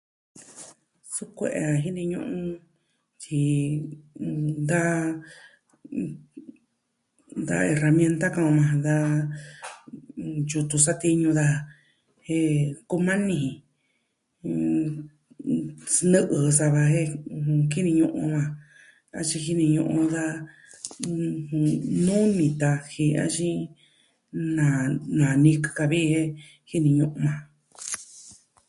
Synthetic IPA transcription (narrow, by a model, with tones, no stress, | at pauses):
su˦kʷḛ˧ʔḛ˧a˧ɦi˦nĩ˧ɲṵ̃˧ʔũ˦ | t͡ʃi˧ | d̪a˦ | d̪a̰˧e˧ra˧mjẽ˧nt̪a˦kã˧mã˧d̪a˧ | ju˧t̪u˧sa˦t̪i˦ɲũ˧d̪a˧ | he˦ku˧mã˦nĩ˧hĩ˨˧ | nɨ̃˦ʔɨ˨sa˧βa˧ɦe˦hũ˧ki˦nĩ˧ɲũ˧ʔṵ̃˧mã˧ | a˧t͡ʃĩ˧xi˦nĩ˧ɲũ˧ʔũ˧ða˦˧ | hũ˧˨nũ˦nĩ˧t̪a˧hi˧a̰˦t͡ʃĩ˦ | nã˨nã˨nĩ˧kɨ̥˧ka˧βi˦˧he˦ | hi˦nĩ˧ɲũ˧ʔũ˧mã˨